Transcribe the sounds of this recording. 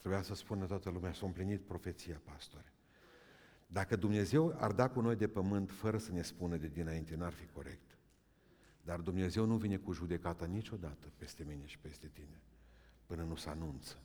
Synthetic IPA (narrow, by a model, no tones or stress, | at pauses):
t̪ɾebujasəspunət̪oat̪əlumeasaɨmplinit̪̚pɾo̞fe̞t̪sijapast̪o̞ɾe | d̪akəd̪umne̞ze̞wa̰rd̪akuno̞jd̪e̞pəmɨnt̪fəɾəsəne̞spunəd̪ed̪inaint̪e̞nuarfiko̞ɾe̞̰kt̪ | d̪ard̪umne̞ze̞wnuvine̞kuʒud̪e̞kat̪anit͡ʃo̞d̪at̪əpe̞st̪e̞mine̞ʃi̥pe̞st̪e̞t̪ine̞pɨnənusəa̰nunt̪sə̥